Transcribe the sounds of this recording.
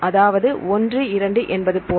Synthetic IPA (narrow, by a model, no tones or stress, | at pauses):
ʔɐðaːʋɐðɯɔndrɯɪɾɐɳɖɯʔɛnbɐðɯpːoː